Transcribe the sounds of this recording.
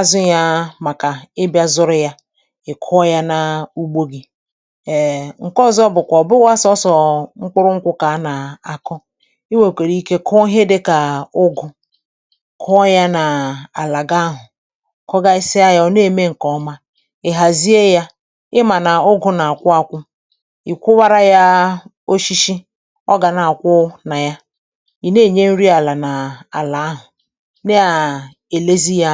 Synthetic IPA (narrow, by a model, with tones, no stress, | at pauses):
a˦zʊ˦ja˦ma˨ka˨ɪ˦bja˦zʊ˦ɾʊ˦ja˦ | ɪ˨kʰʊ˦ja˦na˨u˦ɡ͡bo˦ɡi˦˨ | ŋ̩˨kɔ˦zɔ˦bʊ˨kʷɔ˨bʊ˦wa˦sɔ˦sɔ˨ŋ͡m̩˦k͡pʊ˦ɾʊ˦ŋ̩˦kʷʊ˦ka˨˦na˨a˨kɔ˦ | ɪ˦we˨kʷe˨ɾi˦ke˦kʰɔ˦ɦe˦de˦ka˨ʊ˦ɡʊ˦ | kʰɔ˦ja˦na˨a˨la˨ɡa˦ɦʊ˨ | kɔ˦ɡa˦ɪ˦sɪ˦a˦ja˦ɔ˦ne˦˨me˦ŋ̩˨kɔ˨˦ma˦ | e˨ɦa˨zi˦e˦ja˦ | ɪ˦ma˨na˨ʊ˦ɡʊ˦na˨a˨kʷʊ˦a˨kʷʊ˦ | i˨kʷʊ˦wa˦ɾa˦ja˦ | o˦ʃi˦ʃi˦ | ɔ˦ɡa˨na˨a˨kʷʊ˦na˨ja˦ | i˨ne˦˨ɲe˦n̩˦ɾi˦a˨la˨na˨a˨la˨a˦ɦʊ˨ | ne˦a˨ | e˨le˦zi˦ja˦